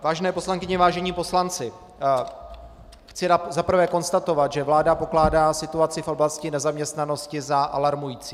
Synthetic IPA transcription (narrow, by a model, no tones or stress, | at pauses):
vaːʒɛnɛːpo̞slaŋkɪɲɛvaːʒɛɲiːpo̞slant͡sɪ | xt͡sɪzapr̩vɛːko̞nst̪at̪o̞vat̪ʒɛvlaːdapo̞klaːdaːsɪt̪uat͡sɪfʔo̞blascɪnɛzamɲɛst̪nano̞scɪzaʔa̰laɾmujiːt͡siː